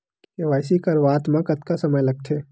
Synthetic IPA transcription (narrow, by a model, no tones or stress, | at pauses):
keʋaːɪsikɐɾʋaːt̪mãkɐt̪kasɐməjlɐɡ̚t̪ʰeː